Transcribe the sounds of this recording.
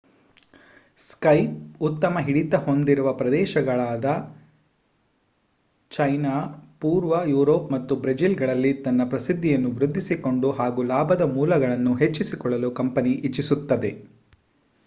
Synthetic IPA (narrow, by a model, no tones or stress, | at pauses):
skɐjp̚ut̪ːɐmɐɦiɽit̪ɐho̞nd̪iɾuʋɐpɾɐd̪ɛːʃɐɡɐɭaːd̪ɐ | t͡ʃɐjnaːpuːɾʋɐjuːɾoːpmɐt̪ːubɾed͡ʒiːlɡɐɭɐlːit̪ɐnːɐpɾɐsid̪ʱːijɐnːuʋɾud̪ʱːisiko̞ɳɖuɦaːɡulaːbʱɐd̪ɐmuːlɐɡɐɭɐnːuɦe̞t͡ʃːisikɔɭːɐlukɐmpɐniʔit͡ʃːisut̪ːɐd̪e̞